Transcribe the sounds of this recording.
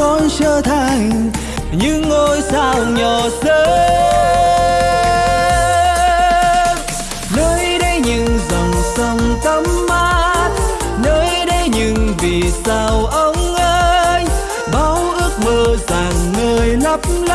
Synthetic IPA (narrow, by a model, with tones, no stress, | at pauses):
ɔ˧nsəː˧t̪ʰa˨˩ŋ̟ | ɲɨ˧ŋːo˧jsaː˧wɲɔ˨˩zəː˧˦ | nəː˧˦jɗə˧jɲɨ˧ŋzɔ˨˩wŋ͡msə˧ŋt̪ə˧˦mːa˧˥t̚ | nəː˧˦jɗə˧jɲɨ˧ŋvi˨˩saː˧wʔə˧˦wŋ͡mʔəː˧j | ɓaː˨˦wʔɨ˦˥ək̚məː˨˩zaː˨˩ŋnəː˧jnə˦˥p̚ml